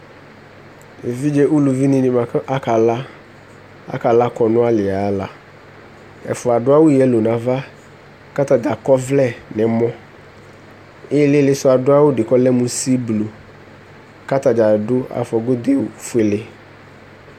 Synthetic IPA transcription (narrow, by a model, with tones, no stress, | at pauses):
e˨vi˦d͡ʒɛ˦ʔu˦lu˨vi˦nĩ˨nɪ̃˨mã˨kʔa˦ka˨la˦ | a̰˦ka˨la˦kɔ˨nʊ̃˦a˦lɪ˨a˨˦la̰˨ | ɛ̰˨fʊ˨a˨dʊ˦a˦wʊ˦jɛ˨˦lo˨nã˨va˦ | ka˦t̪a˨da˨kɔ˦vlɛ˦˨nɛ˨mɔ̃˦ | ɪ˦lɪ˦lɪ˦sʊ˦a˨dʊ˦a˦wʊ˦dɪ˨kɔ˦lɛ˦mũ˦si˦blu˨ | ka˦t̪a˨da˨dʊ˦a̰˨fɔ˨ɡʊ˦d̪ɪ˨fe˦lɪ˦